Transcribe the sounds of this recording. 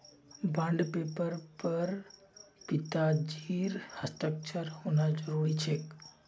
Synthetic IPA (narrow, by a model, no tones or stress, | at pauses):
bə̃ɳɖpepəɾpəɾ | pɪt̪ad͡ʒiɾhəst̪ək̚t͡ʃʰəɾhonad͡ʒəɾuɾit͡ʃʰek